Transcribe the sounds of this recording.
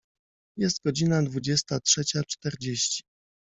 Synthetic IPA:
jɛst̪̚ɡɔd͡ʑinad̪vud͡ʑɛst̪atʂɛt͡ɕat͡ʂt̪ɛɾd͡ʑeɕt͡ɕi̥

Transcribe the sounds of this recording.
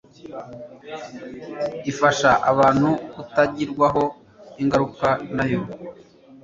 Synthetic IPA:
ifaʃaʔaβaːn̥hukutaɟiɾɡwaɦo̞ | iŋɡaɾukanajo̞

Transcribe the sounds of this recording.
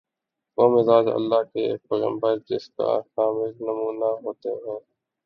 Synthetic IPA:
ʋoːmɪzaːd͡ʒə̰lːaːɦkeːk̚pəɣə̰̃mbəɾd͡ʒɪska̰xaːmɪznɐmuːnaɦoːt̪eɦɛ̃ː

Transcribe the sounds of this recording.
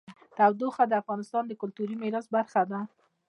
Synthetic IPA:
t̪awd̪oxad̪əafɣɑnɪst̪ɑnd̪əkʊlt̪uɾimɪɾɑsbaɾxad̪a

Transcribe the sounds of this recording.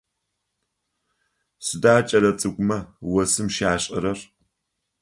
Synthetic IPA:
sɨdaːt͡ʃʼɐɾɐt͡sʼɨɡʷʊmɐwɐsɨmʃaːɕʼɪɾɐr

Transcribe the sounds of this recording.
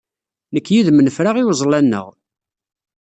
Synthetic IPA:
nəkːjiðmənəfɾaʁiwzˤlænːə̰ʁ

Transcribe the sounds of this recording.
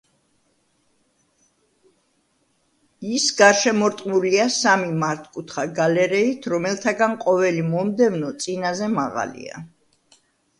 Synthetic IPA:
isɡaɾʃɛmɔɾt̪ʼmuliasamimaɾt̪ʰkʼut̪ʰχaɡalɛɾɛit̪ʰɾɔmɛlˠt̪ʰaɡanqʼɔvɛlimɔmd̪ɛvnɔt̪sʼinazɛmaʁa̰lḭa̰

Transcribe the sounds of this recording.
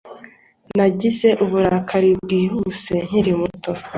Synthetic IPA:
naɟize̞ʔuβuɾakʰaɾib̚ɡiːhuse̞ɲ̥iɾimuto̞

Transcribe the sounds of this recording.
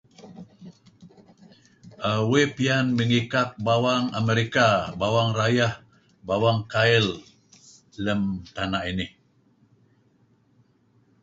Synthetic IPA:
ʔawepianməŋikak̚bawaŋameɾikabawaŋrajah | bawaŋkaɪlː | əmt̪anaʔinɪh

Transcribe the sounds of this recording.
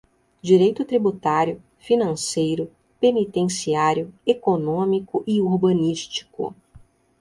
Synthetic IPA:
d͡ʒiɾejt̪ʊt̪ɾibut̪aɾjʊ | finɐ̃sejɾʊ | penit̪ẽsiaɾjʊekonõmikʊʔioɾbɐ̃niʃt͡ʃi̥kʊ̰

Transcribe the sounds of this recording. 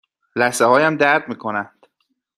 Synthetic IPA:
læhsehɒːjæmd̪æɾd̪miːkʰo̞nænd̪̥

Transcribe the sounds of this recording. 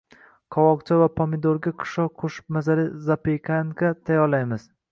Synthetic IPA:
kʰɒwɒqt͡ʃʰavapʰomɪd̪oɾɡʲakʰʊ̥ʃɒqʰoʃɪ̥p̚mazaɾɪzapekʲʰankʰat̪ʰajɒlajmɪz̥

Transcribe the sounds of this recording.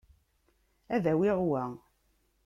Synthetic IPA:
æðæwiʁwæ

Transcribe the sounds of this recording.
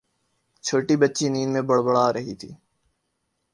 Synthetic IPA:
t͡ʃʰoːʈibətːt͡ʃiniːnmẽbəɽbəɽaːɾəɦit̪ʰḭː

